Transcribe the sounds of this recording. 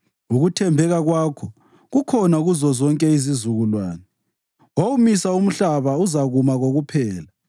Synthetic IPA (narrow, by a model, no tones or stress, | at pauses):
uɣutʰɛmbʱɛɣaɣwaːkʰɔ | ɣukʰɔnaɣuzɔzɔŋkʼɛizizuɣulwa̰ːnɛ | waumisaum̩ɬaβauzaɣumaɣoɣupʰɛːla